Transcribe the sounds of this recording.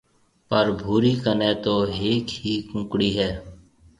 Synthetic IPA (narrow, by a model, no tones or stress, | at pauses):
pəɾbʱuːɾiːkəneːt̪oːɦeːkhiːkʊ̃ːkɽiːɦɛː